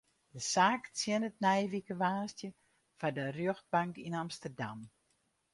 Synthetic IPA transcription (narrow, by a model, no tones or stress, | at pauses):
d̥əsaːkt͡sjɪnət̚nɛjʋikəʋaːstjə | fadərjøxt̚baŋkinamstərdam